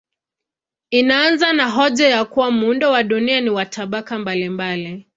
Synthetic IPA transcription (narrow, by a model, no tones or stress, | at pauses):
inaanzanaɦɔʄajakuwamuundɔwaɗunianiwatʰaɓakambalimbali